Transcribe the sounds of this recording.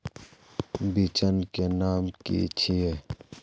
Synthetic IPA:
bit͡ɕənkenaːmkḭt͡ɕʰie

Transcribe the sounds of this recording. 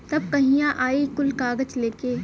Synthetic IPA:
t̪ɐb̚kɐɦĩjãʔaːikʊlkaːɡət͡ʃleːkeː

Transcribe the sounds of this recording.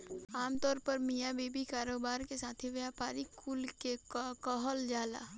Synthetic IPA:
aːmt̪ɔːɾpəɾmijabeːbikaːɾoːbaːɾkesaːt̪ʰiʋjapaːɾikʰːulkekɔɦəld͡ʒaːla̰ː

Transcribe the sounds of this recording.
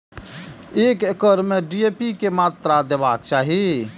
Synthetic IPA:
ekekəɾmeɖiepikemaːt̪ɾad̪ebaːk̚t͡ʃaːɦi

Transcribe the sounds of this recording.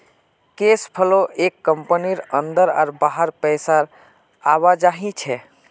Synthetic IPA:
kespʰəloʔekːəmpəniɾənd̪əɾa̰ɾbaɦəɾpəjsaɾ | aβad͡ʒaɦĩt͡ʃʰɛ

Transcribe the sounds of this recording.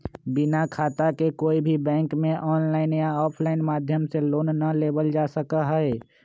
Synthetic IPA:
bɪnakʰaːt̪akekoːibʱibɛ̃ːŋkmẽʔɔːnlaːɪnjaɔːpʰlaːɪnmaːd̪ʱjəmseloːnːaleːbəld͡ʒaːsəkaɦɛe

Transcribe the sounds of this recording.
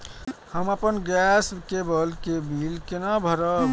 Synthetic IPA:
həmapənɡɛsbkebəlkebilkenabʱəɾə

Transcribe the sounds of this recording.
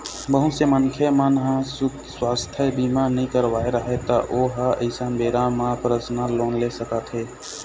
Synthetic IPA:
bəɦũsemənkʰemənɦãsʊk | swaːst̪ʰjəbiːmanəɦĩkəɾʋaːeɾəɦet̪aʔoːɦaəɪsanbeːɾãmãpɾəsnaloːnlesəkət̪ɦeː

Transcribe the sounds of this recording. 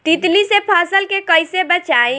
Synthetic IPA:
t̪it̪lisepʰaːsəlkekəɪsebət͡ʃaːẽ

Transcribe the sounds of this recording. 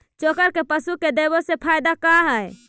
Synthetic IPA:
t͡ʃokəɾkepəsuked̪ebosepʰajd̪akaɦəj

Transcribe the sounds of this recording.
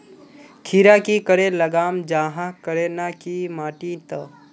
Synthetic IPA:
kʰiɾakikəɾeləɡaːmd͡ʒaːɦãkəɾenakimaːʈit̪ə

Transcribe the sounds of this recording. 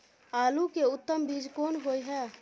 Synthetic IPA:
aːlukeʊt̪ːəmbid͡ʒkoːnɦojɦɛ

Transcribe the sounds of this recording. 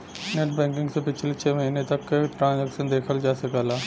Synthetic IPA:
neʈ̚bɛ̃ːŋkɪ̃ŋɡsepɪt͡ʃʰlet͡ʃʰɛːməɦiːnet̪ɐkːʈɾãːnzɛːkʃənd̪eːkʰəld͡ʒaːsɐkaːlaː

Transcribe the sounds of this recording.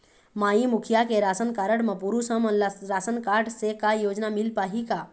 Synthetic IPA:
maːimʊkʰjakeɾaːsənkaːɾəɽməpuɾusəməɾaːsənkaːɖsekajoːd͡ʒnamɪlpaːɦika

